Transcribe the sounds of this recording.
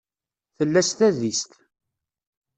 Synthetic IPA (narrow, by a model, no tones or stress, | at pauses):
θəlːæst̪æðist̪